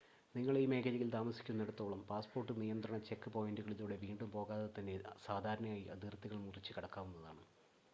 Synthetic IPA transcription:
niŋːɐɭime̞ːkʰɐlɐjilt̪aːmɐsi̥kʲːunːe̞ɽut̪ːo̞ːɭɐmpaːspo̞ːrʈːɨnijɐnd̪rɐɳɐt͡ɕe̞kːɨpo̞ːjinduɣɐɭiðuːɽe̞ʋiːɳɖumpo̞ːɣaːðɐt̪ːɐnesaːd̪ʱaːɾɐɳɐmaːjiʔɐ̰d̪irt̪ːiɣɐɭumurit͡ɕːɨkɐɽɐkːaːʋunːɐðaːɳɨ

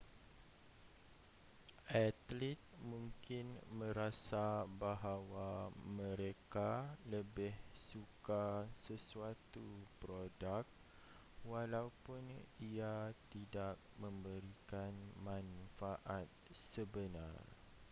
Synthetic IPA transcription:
at̪lit̪̚mũŋkɪnmə̃ɾasabaɦawamə̃ɾekaləbɪhsukasəsuat̪upɾodak̚ | walaupʊniat̪idak̚mə̃mbəɾikanmãnfaʔat̪̚səbəna̰r

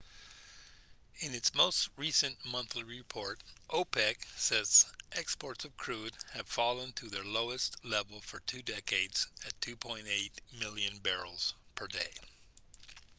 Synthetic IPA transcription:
ɨ̃nɨtsmoʊst̚ɹisɨ̃nmʌ̃nθliɹɪpʰɔɹɾʔoʊpʰɛksɛzʔɛkspɔɹtsʌv̥kʰɹ̥ʉd̚ɨv̥fɑlˠə̃ntʰɨðə˞loʊɨstlɛvl̩ˠfə˞tʰʉdɛkeɪdz̥ɨtʰʉpʰɔ̃ɪ̃nteɪt̚mɪlˠjɨ̃nbɛɹl̩ˠz̥pʰə˞deɪ

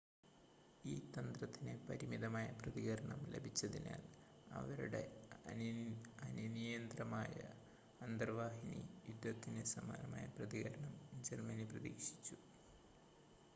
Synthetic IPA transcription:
iːt̪ɐnd̪rɐt̪ːinepɐɾimid̪ɐmaːjɐprɐðiɣɐɾɐɳɐmlḛbʱit͡ɕːɐðina̰ːl | ɐ̰ʋɐɾuɽḛ | ɐninijɐnd̪rɐmaːjɐ̰ | ɐnd̪ɐrʋaːɦinḭjud̪ːɐt̪ːinesɐma̰ːnɐma̰ːjɐprɐðiɣɐɾɐɳɐmd͡ʑermɐniprɐðḭːkʂi̥t͡ɕːu

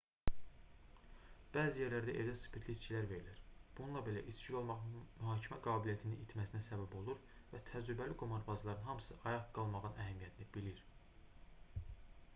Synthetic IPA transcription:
b̥æːzijeɾlæɾd̪æʔe̞læsɯ̥pʰiɾt̪liit͡ʃcʰilæɾve̞ɾiliɾb̥ununlˠɑbe̞læ̰ʔit͡ʃcʰilo̞lˠmɑʁɯnmyɦɑːcʰimæɡɑːbilijæt̪ʰininit̪ʰmæsinæsæbæbo̞lˠuɾvæt̪ʰæd͡ʒɾybæliɡomɑɾbɑzlˠɑɾɯnɦɑmɯ̥sɯʔɑjɑʁɡ̥ɑlˠmɑʁɯnæɦæmijæt̪ʰinibiliɾ

